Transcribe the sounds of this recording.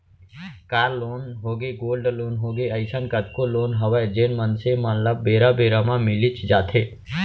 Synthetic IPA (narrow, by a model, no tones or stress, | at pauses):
kaːɾloːnɦoːɡeɡoːlɖloːnɦoːɡeəɪsənkəʈ̪̚koloːnɦəʋad͡ʒeːnmənsemənlabːeːɾabeːɾamãmɪlit͡ʃd͡ʒaːt̪ʰe